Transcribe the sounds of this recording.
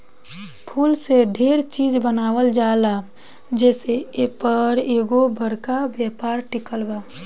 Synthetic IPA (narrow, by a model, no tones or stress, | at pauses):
pʰuːlseɖʱeːɾt͡ʃiːd͡ʒbənaːwəld͡ʒaːla | d͡ʒɛːseepəɾeːɡobəɾkabjaːpaːɾʈɪkəlbaː